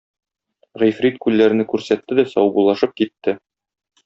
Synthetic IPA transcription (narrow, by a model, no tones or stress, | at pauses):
ʁijfɾit̪kʉlːæɾɘ̆nɘkʉɾsæt̪ːɘd̪æsɒ̰wbulˠɑʃɤp̚kit̪ːɘ